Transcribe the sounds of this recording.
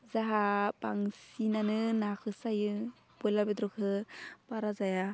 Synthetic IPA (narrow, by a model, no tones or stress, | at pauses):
zaɦapaŋsinanɯnakʰɯsajɯ | bɔjlabedɾɔkʰɯbaɾazaja